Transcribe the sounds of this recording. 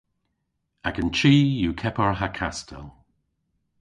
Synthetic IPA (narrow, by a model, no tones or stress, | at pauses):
aɡənt͡ʃʰiːjukʰɛpəɹɦakʰastʰɛ̰lˠ